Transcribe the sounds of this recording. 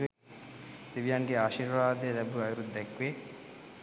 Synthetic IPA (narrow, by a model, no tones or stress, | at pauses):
d̪̥iʋijaŋɡeaʃiɾʋaːd̪eɾɛbuajuɾud̪ːɛkʋe